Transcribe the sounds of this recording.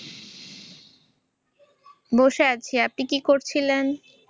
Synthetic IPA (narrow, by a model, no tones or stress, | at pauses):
boʃeat͡ɕʰiap̚nikikoɾt͡ɕʰilen